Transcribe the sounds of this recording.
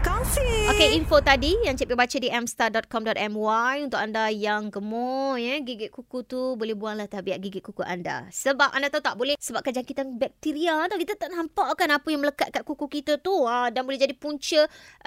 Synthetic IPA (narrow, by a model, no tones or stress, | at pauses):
kafiokeinfot̪adijaŋt͡ʃəpebat͡ʃadiʔɛmst̪adɔt̪̚kɔmdɔt̪ɛmwajunt̪ʊkandajaŋɡəmɔjɛɡiɡɪt̪̚kukut̪ubolɛhbuaŋlaht̪abiaʔɡiɡɪt̪̚kukuʔa̰nda̰səbap̚andat̪aut̪aʔbolɛsəbap̚kand͡ʒaŋkit̪anbɛk̚t̪iɾiaat̪awkit̪at̪aʔnampaʔkanapəjaŋmələkat̪̚kaʔ̪̚kukukit̪at̪uədanbolɛd͡ʒadipuɲt͡ʃə